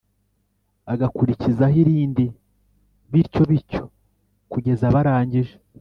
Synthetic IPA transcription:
aɡakuɾicizaɦiɾiːndi | βiɾco̞βiɾco̞ | kuɟe̞zaβaɾaːɲɟiʒe̥

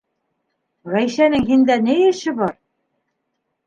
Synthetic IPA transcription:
ʁæjʃænɘŋɦind̪ænɘjɘ̆ʃɘ̆bɒɾ

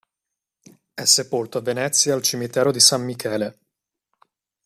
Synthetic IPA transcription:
ɛsːepolt̪oavːenɛt̪sːjaːlt͡ʃimit̪ɛːɾod̪isamːikʰɛːle

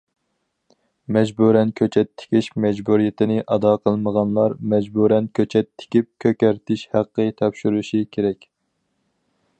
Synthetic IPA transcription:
mɛd͡ʒbuɾɛnkʲʰøt͡ʃʰɛt̪ʰːɪ̥kʲʰiʃmɛd͡ʒbuɾijɪt̪ʰɪnɪʔɑd̪ɑqʰəlˠməʁɑnlˠɑɾmɛd͡ʒbuɾɛnkʲʰøt͡ʃʰɛt̪ʰːɪ̥kʲip̚kʲʰøkʲæɾt̪ʰɪʃhæqːɨt̪ʰɑpʃyɾuʃikʲʰeɾɛkʲ

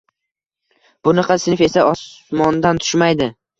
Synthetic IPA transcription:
b̥ʊnɪqʰɑsɪnɪfe̞saɒsmɒnd̪ant̪ʰʊ̥ʃmajd̪ɪ

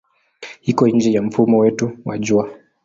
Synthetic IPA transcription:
hikɔiɲd͡ʒɛjam̩fumɔwɛtuwaʄua

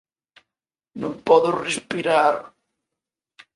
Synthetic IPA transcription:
nũŋpɔðʊrespiɾaɾ

